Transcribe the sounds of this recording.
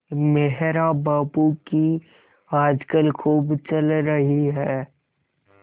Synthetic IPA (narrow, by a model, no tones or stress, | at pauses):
meɦɾabaːbuki | aːd͡ʒkəlkʰuːbt͡ʃəlɾəɦiɦɛː